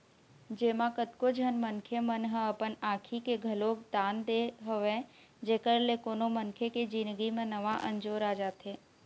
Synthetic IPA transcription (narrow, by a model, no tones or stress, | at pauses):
d͡ʒeːmãkət̪kod͡ʒʱənmənkʰemənɦə̃əpənaːkʰikeɡʱəloːkd̪aːnd̪eɦəʋẽ | d͡ʒeːkəɾlekoːnomənkʰeked͡ʒinɡimẽnəʋaʔə̃nd͡ʒoːɾaːd͡ʒaːt̪eː